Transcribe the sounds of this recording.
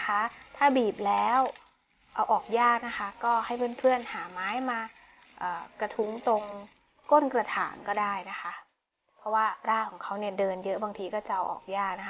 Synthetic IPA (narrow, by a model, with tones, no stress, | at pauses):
kʰa˦˥t̪ʰaː˥˩biː˨˩p̚lɛː˦˥w | ʔa˧wʔɔː˨˩k̚jaː˥˩k̚na˦˥kʰa˦˥kɔː˥˩ha˥˩jpʰɤ˥˩npʰɯ˥˩ənhaː˩˦maː˦˥jmaː˧ | ʔɤː˨˩kɾa˧t̪ʰu˦˥ŋt̪o˧ŋ | ko˥˩nkɾa˧t̪ʰaː˩˦nkɔː˥˩daː˥˩jna˦˥kʰa˦˥ | pʰɔ˦˥waː˥˩ɾaː˥˩kʰɔː˩˦ŋkʰa˦˥wni˥˩ədɤː˧njɤ˦˥ʔbaː˧ŋt̪ʰiː˧kɔː˥˩t͡ɕa˨˩ʔa˧wʔɔ̰ː˨˩k̚jaː˥˩k̚na˦˥